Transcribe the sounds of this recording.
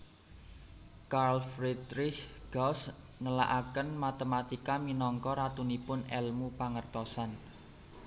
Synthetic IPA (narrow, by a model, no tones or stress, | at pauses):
karlfɾid̪ɾɪʃɡ̥ɔs | nəla̰ʔakənmat̪emat̪ikaminɔŋkɔɾat̪unipʊnɛlmupaŋərt̪ɔsan